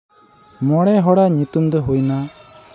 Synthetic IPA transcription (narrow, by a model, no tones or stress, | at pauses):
mɔɽɛɦɔɽaɲut̪umd̪ɔɦujna